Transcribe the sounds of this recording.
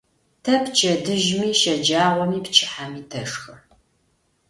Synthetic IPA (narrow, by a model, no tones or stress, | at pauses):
tʰɐpt͡ʃʰʼɐdɨʒmiːʃɐd͡ʒaːʁʷɔmiːpt͡ʃʰɪ̥ħamiːtʰɐʂxɐ